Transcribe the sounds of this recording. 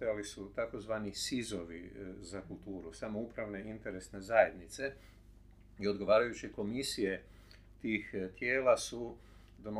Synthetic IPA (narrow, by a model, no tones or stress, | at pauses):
jalisut̪ako̞zʋaːnisizoʋḭzakulˠt̪uːɾusaːmoupɾaʋne̞int̪e̞ɾe̞sne̞zaje̞d̪nit̪se̞ | io̞d̪ɡo̞ʋaːɾajut͡ʃiko̞misije | t̪iːxt̪je̞ːlasu | d̪ono